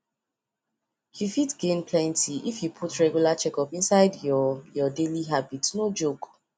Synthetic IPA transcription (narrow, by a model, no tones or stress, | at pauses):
jufitɡẽnpʰlɛ̃ntiʔifjupʰutɹɛɡjulat͡ʃɛkɔpĩnsaɪdjjɔdeliɦabitnod͡ʒok